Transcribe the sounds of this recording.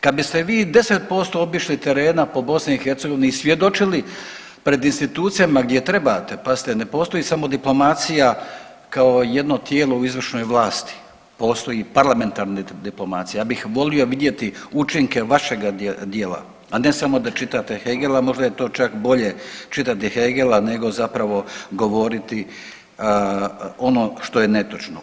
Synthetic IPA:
kad̪̚bist̪eʋiːd̪e̞set̪̚po̞st̪o̞obiʃlit̪e̞ɾe̞ːnapo̞bo̞sneixeɾt̪seɡoineisʋje̞d̪o̞t͡ʃili | pɾe̞d̪inst̪it̪uːt̪sijamaɡd̪je̞t̪ɾe̞baːt̪e̞pazi̥t̪ene̞po̞ːst̪o̞jiːsamo̞d̪iplˠo̞maːt̪sija | kao̞jed̪no̞t̪je̞ːlo̞uizʋr̩ʃno̞jʋlˠaːst̪i̥ | po̞ːst̪o̞jipaɾlˠame̞nt̪aːɾned̪iplˠo̞mat̪sijejabixʋo̞lio̞ʋid̪je̞t̪iut͡ʃiŋke̞ʋaʃe̞ɡad̪jeːla̰ː | ne̞samo̞d̪at͡ʃit̪at̪exeɡelamo̞ʒd̪ajet̪o̞ːt͡ʃakbo̞ʎe̞t͡ʃit̪at̪iheɡelane̞ɡo̞zapɾaʋo̞ɡo̞ʋo̞ɾit̪i | o̞no̞ʃt̪o̞je̞net̪ot͡ʃno

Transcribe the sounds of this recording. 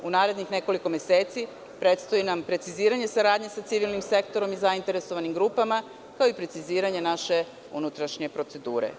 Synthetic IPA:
unaːɾed̪ɲixne̞ko̞liko̞me̞se̞ːt̪si | pɾe̞t̪st̪o̞jinampɾe̞t̪siziːɾaɲe̞saɾaːd̪ɲe̞sat̪siʋilnimse̞kt̪o̞ɾo̞mizaint̪e̞ɾe̞so̞ʋanimɡɾuːpama | kaoipɾe̞t̪siziːɾaɲe̞naʃe̞ | ṵnut̪ɾaʃɲepɾo̞t̪se̞d̪uːɾḛ

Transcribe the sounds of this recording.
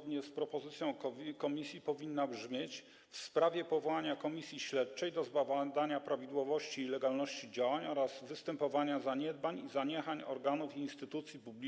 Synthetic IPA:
d̪ɲɛspɾɔpɔzɘt̪sʲjɔ̃w̃kkɔmʲisʲjipɔvʲinːabʐmʲjet͡ɕ | fspɾavʲjɛpɔvɔwaɲakɔmʲisʲjiɕlɛt̪t͡ʂɛjd̪ɔzbavad̪aɲapɾavʲid̪wɔvɔɕt͡ɕiːlɛɡalnɔɕt͡ɕid͡ʑawaɲɔɾaz̥vɘst̪ɛmpɔvaɲazaɲɛd̪̚baɲizaɲɛxaɲɔ̰ɾɡanufiinst̪ɘt̪ut̪sʲjipublʲ

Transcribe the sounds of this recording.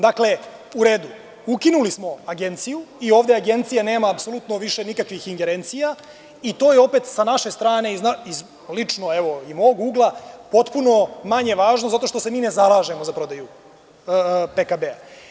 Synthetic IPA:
d̪akle̞ | uɾe̞ːd̪u | ukinulismo̞aɡe̞nt̪sijuio̞ːʋd̪eaɡe̞nt̪sijane̞ːmaːpso̞lˠut̪no̞ʋiʃe̞nikakʋixiŋɡe̞ɾe̞nt̪sija | it̪o̞ːjeo̞pe̞t̪sanaʃe̞st̪ɾaːne̞iznaiz | lit͡ʂno̞eʋo̞imo̞ɡuːɡlˠapo̞t̪puno̞maɲe̞ʋaːʒnozat̪o̞ʃt̪o̞se̞miːne̞zalˠaːʒe̞mozapɾo̞d̪aju | pekabea

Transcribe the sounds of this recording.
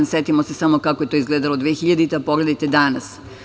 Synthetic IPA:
nset̪imosesamokakojet̪o̞izɡleːd̪alod̪ʋeːxiʎad̪it̪eapoɡle̞d̪ajt̪ed̪anas

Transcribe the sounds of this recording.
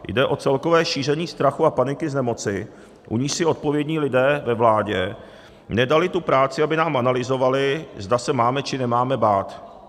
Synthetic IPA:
jdɛʔo̞t͡sɛlko̞vɛːʃiːr̝ɛɲiːst̪ɾaxuapanɪkɪznɛmo̞t͡sɪ | ʔuɲiːʃsɪo̞t̪̚po̞vjɛdɲiːlɪdɛːvɛvlaːɟɛ̰ | nɛdalɪt̪upɾaːt͡sɪabɪnaːmʔanalɪzo̞valɪzdasɛmaːmɛt͡ʃɪnɛmaːmɛbaːt̪

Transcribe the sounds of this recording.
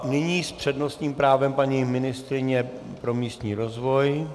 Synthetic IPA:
nɪɲiːspr̝̥ɛdno̞st̪ɲiːmpɾaːvɛmpaɲimɪnɪst̪ɾɪɲɛpɾo̞miːst̪ɲiːɾozvo̞j

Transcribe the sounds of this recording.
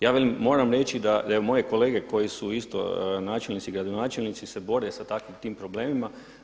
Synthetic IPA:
jaːʋeliːo̞ːɾamɾe̞t͡ʃid̪ad̪aeomo̞je̞ko̞le̞ːɡe̞ko̞jisuist̪o̞̰naːt͡ʃelnit̪siɡɾad̪o̞naːt͡ʃelnit̪sise̞bo̞ɾesat̪akʋimt̪iːmpɾo̞ble̞ːmima

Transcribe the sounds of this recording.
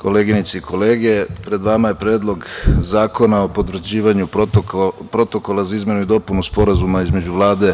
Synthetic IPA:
kʰo̞leːɡinit̪seikʰo̞leːɡepɾe̞d̪ʋamaje̞pɾeːd̪lˠo̞ɡzaːko̞nao̞pot̪ʋɾ̩d͡ʑiːʋaɲu | pɾo̞t̪o̞ko̞lazaizme̞nuid̪o̞punuspo̞ɾazumaizme̞d͡ʑuʋlˠaːd̪e̞

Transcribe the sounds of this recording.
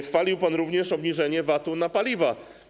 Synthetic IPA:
xfalʲiwpanɾuvɲɛʂɔbɲiʐɛɲɛvat̪unapalʲiva

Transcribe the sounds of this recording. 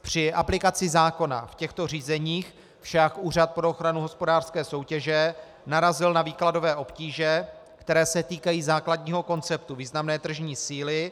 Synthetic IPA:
pr̝̥ɪʔaplɪkat͡sɪzaːko̞na̰fcɛxt̪o̞r̝iːzɛɲiːx | fʃakʔuːr̝at̪̚pɾooxɾanuɦo̞spo̞daːr̥skɛːso̞wcɛʒɛ | naɾazɪlnaviːklado̞vɛːʔo̞pciːʒɛ | kt̪ɛɾɛːsɛt̪iːkajiːzaːkladɲiːɦo̞ko̞nt͡sɛp̚t̪uviːznamnɛːt̪r̩ʒɲiːsiːlɪ

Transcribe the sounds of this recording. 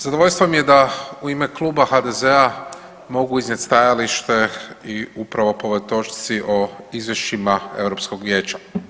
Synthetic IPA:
z̥ad̪oʋo̞ʎʲst̪ʋomje̞d̪auimeklˠuːbaxad̪e̞ze̞a | mo̞ɡuiznʲjet̪ʲst̪ajaliʃt̪e̞iupɾaʋo̞poʋojt̪o̞t͡ʃi̥t̪siʔo̞izʋje̞ʃt͡ʃimae̞̰ʋɾo̞psko̞ɡʋje̞ːt͡ɕa

